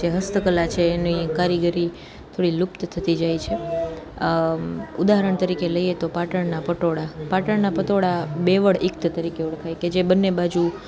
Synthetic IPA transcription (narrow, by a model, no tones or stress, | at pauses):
d͡ʒeɦəst̪əkəlat͡ʃʰeːnikaɾiɡəɾi | t̪ʰoɽilupt̪t̪ʰət̪id͡ʒajt͡ʃʰe | ud̪aɦəɾəɳt̪əɾikeləjet̪opaʈəɳnapəʈoɽapaʈəɳnapət̪oɽabeʋəɽɪkt̪ət̪əɾikeuɽkʰajked͡ʒebənːebad͡ʒu